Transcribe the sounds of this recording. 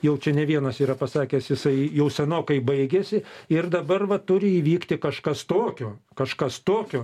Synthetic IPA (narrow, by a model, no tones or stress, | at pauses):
jɛʊt͡ʃʲɛnʲɛʋʲiɛnɐsiːɾɐpɐsɑːkʲeːsjɪsɐɪjɛʊsʲɛnoːkɐɪbɐɪɡʲeːsʲɪɪrd̪ɐbɐrʋɐt̪ʊɾʲɪiːʋʲiːkt̪ʲɪkɐʃkɐst̪oːkʲoːkɐʃkɐst̪oːkʲoː